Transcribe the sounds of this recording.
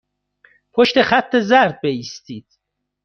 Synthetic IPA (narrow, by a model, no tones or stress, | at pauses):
pʰoʃt̪e̞χæt̪ʰːe̞zæɾd̪̚beiːst̪iːd̪̥